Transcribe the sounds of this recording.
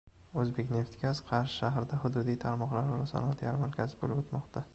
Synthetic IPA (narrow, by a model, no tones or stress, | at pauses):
ɵzbe̞kʲne̞ft̪kʲasqʰɑɾʃɪʃaɦɾɪd̪ahʊd̪ʊd̪ijt̪ʰaɾmɒqlaɾɪɾasɒ̰nɒt̪ʰjaɾmaɾkʲʰazɪbolɪbot̪mɒqt̪ʰa